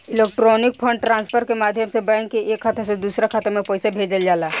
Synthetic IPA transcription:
ɪleːk̚ʈɾoːnɪk̚pʰə̃ɳɖʈɾãːnspʰəɾkemaːd̪ʱjəmsebə̃ŋkeʔeːkʰːət̪əsed̪uːsɾakʰət̪əmẽpɔːɪsabʱeːd͡ʒəld͡ʒaːlaː

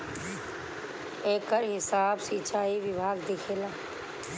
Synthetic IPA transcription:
eːkəɾɦɪsaːbsiːt͡ʃaːiʋɪbʱaːɡd̪ɪkʰeːlaː

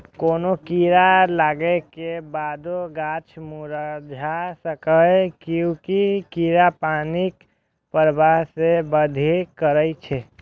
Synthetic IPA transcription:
koːnokiːɾalaːɡekebaːd̪oɡaːt͡ʃʰmuɾəd͡ʒʱasəkəkjõkikiːɾapaːnik | pəɾbaɦsebəd̪ʱekəɾəit͡ʃʰɛ

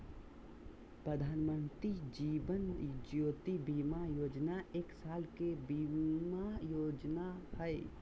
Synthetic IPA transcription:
pɾəd̪ʱaːnmənt̪ɾid͡ʒiʋənd͡ʒjoːt̪ibimajoːd͡ʒnaeːksaːlkebimajod͡ʒnahəj

